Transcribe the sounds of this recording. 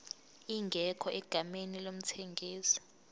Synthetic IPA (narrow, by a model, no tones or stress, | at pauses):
iŋɡʱɛkʰɔʔɛɡ̥ʱamenilom̩tʰeŋɡʱiːsɔ̥